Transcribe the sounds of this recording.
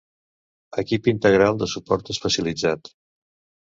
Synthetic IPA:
əkipint̪əɣɾalˠd̪əsupɔɾt̪əsfəsəlid͡zat̪

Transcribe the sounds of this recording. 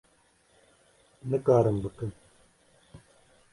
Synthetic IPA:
nɨkaːɾɨmbɨkɨn

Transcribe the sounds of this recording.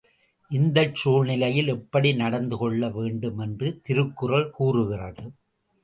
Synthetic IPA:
ʔɪnd̪ɐt͡ʃuːɻnɪlɐjɪlɛpːɐɽinɐɽɐnd̪ɯkɔɭːɐʋeːɳɖɯmɛndrɯt̪ɪɾɯkːɯrɐɭkuːrɯɣɪrɐðɯ

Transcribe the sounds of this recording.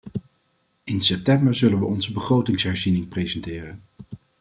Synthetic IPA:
ɪnsɛp̚tɛmbəɹzɵlənʋəɔnzəbəχrowtɪŋsɦɛɹzinɪŋprejzɛntɪːrən

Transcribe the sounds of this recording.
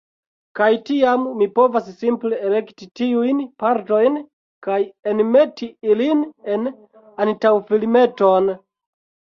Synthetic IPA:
kajtiamːipo̞vassimple̞ele̞ktitiujnpaɾto̞jn | kajenme̞tʰiiline̞n | antawfilme̞to̞n

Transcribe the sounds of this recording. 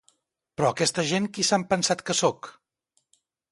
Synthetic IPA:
pɾɔəkɛst̪əʒeŋkisampənsat̪kəsok

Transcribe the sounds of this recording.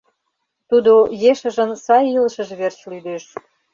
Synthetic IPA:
t̪ud̪ojeʃə̆ʒə̆nsɑjiləʃə̆ʒβert͡ɕlyd̪eʃ

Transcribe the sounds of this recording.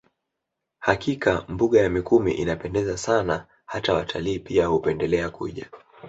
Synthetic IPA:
hakikambuɠajamikumḭʔḭnapɛndɛzasana | hatawatʰaliːpiahupɛndɛlɛakuʄa

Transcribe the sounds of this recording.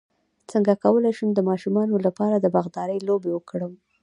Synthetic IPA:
t͡səŋɡakawəlajʃəmd̪əmɑʃumɑnolapɑɾad̪əbaɣd̪ɑɾəjlobewəkɽəm

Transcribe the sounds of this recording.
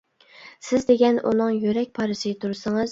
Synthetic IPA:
sɪzd̪eɡʲɛnʔṵnɨŋjyɾɛk̚ʲpʰɑːɾɨsɪt̪ʰuɾsɨŋɨz̥

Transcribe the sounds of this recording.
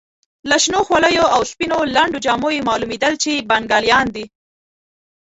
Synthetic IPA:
laʃnoxwaləjoawspinolaɳɖod͡ʒɑmojemɑlumed̪əlt͡ʃebaŋɡɑljɑnd̪i

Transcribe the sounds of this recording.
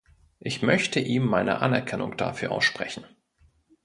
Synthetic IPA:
ʔɪçmœçtʰəʔiːmːaɪnə̰ʔanɛɐkʰɛnʊŋd̥a̰fyːɐʔa̰ʊsʃpʁ̥ɛçn̩

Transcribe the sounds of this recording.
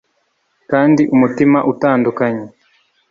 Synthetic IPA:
kandiʔumutimaʔutaːndukaɲi

